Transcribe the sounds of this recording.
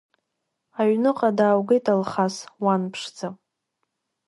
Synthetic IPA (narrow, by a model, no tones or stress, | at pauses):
aɥnɨqʼadaːwɡejtalχaswanpʰʂd͡za